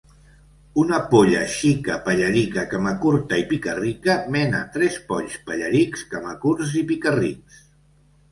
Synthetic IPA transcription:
unəpoʎə̰ʃikəpəʎəɾikəkamakuɾt̪aipikərikəmɛnə̰t̪ɾɛspɔʎspəʎəɾikskamakuɾzipikərḭks

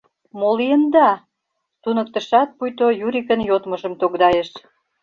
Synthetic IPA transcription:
molijənd̪ɑ | t̪unə̆k̚t̪ə̆ʃɑt̪̚pujt̪ojuɾʲikə̆njot̪məʒə̆mt̪okd̪ɑjeʃ

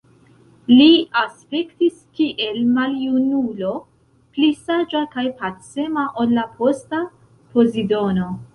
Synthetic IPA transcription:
liaspe̞ktiskiʔe̞lmaljunulo̞ | plisad͡ʒakajpatse̞maʔolːapʰo̞sta | po̞zido̞no̞

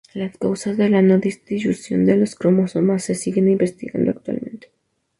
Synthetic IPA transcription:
laskawsazðe̞lano̞ðist̪ɾiʒusjo̞̰nd̪e̞loskɾomosomasːe̞siɣe̞nimbe̞st̪iɣa̰nd̪oa̰k̚t̪wa̰lmẽ̞nt̪e

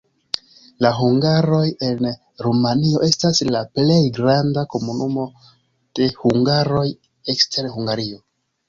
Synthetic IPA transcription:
laɦuŋɡaɾo̞je̞n | ɾumanio̞ʔe̞staslaple̞jɡɾandako̞munumo̞ | d̥e̞huŋɡaɾo̞j | ekstʰe̞ɾhuŋɡaɾio̞

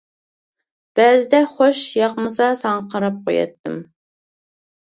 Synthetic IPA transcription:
b̥æːzɪd̪ɛχoʃjɑqmɨsɑsɑŋɑqʰəɾɨp̚qʰojɛ̰t̪ːɨ̰m

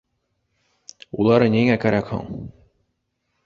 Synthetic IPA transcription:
ulˠɑɾɤneŋækæɾækho̰ŋ

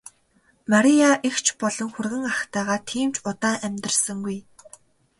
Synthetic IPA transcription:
maɾʲijaʔixt͡ɕʰpɔɮɞ̆ŋxurɣɘ̆ŋaχt̪æːʁaːt̪ʰiːmt͡ɕʊt̪aːʔæmʲt̪̆rsə̆ŋɡuj

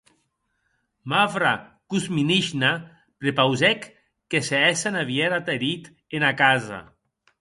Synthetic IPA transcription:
mavɾakuzminiʃna | pɾepawzɛkː | eseɛsanaβjɛɾat̪eɾit̪ | enakaza̰

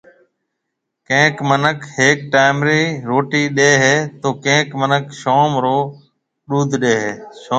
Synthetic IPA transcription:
kẽːkmənəkheːk̚ʈaːmɾiːɾoːʈiːɗeːɦeːt̪oːkẽːkmənəkʃoːmɾoː | ɗuːd̪ʱɗeːɦeːʃoː

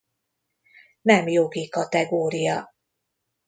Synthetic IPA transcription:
nɛmjo̞ɡikɒt̪ɛɡoːɾijɒ

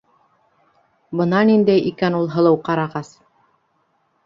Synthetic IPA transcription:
bɤ̆nɑnind̪æjʔikænulˠɦɤ̆lˠɤwqɑɾɑʁɑs

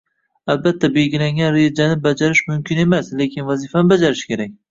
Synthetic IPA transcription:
albat̪ʰːabeɡʲɪlaŋʲanɾed͡ʒanɪbad͡ʒaɾɪʃmʊmkʲʰɪne̞masle̞kʲɪnvazifanɪbad͡ʒaɾɪʃkʲe̞ɾak̚ʲ

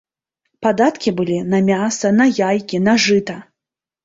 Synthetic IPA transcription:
pad̪at̪kʲibɨlʲinɐmʲasɐnɐjajkʲinɐʐɨt̪ɐ

